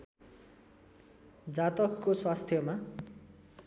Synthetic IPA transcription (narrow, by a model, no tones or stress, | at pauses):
d͡zat̪ʌkːoswast̪ʰjʌma